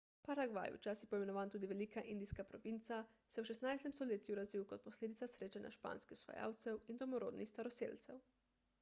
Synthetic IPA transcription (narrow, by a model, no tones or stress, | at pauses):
paɾaɡʋa̰jṵt͡ʃaːsijɛpɔimɛnɔʋaːnt̪uːd̪iʋɛliːkaʔind̪iskapɾɔʋint̪sa | sɛwʃɛst̪najst̪ɛmst̪ɔleːt̪juɾazʋiwkɔt̪̚pɔsleːd̪it̪sasɾeːt͡ʃanjʔa̰ʃpa̰ːnskɛxwsʋa̰ja̰ːwt̪sɛwind̪ɔmɔɾo̰ːd̪nixst̪aɾɔsḛlt̪sɛ̰w